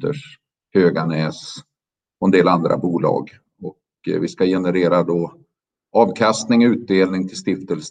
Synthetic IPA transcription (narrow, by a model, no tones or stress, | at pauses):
d̪ə̰ʂ | høːɡanɛːs | ɔɛnd̪eːland̪ɾʔa̰buːlɑ̰ːɡ | ɔk | vɪskajɛnəɾeːɾad̪o | ɑːvkʰast̪nɪŋɔʉ̟ːt̪̚d̪eːlnɪŋt̪ʰɪlst̪ɪft̪əls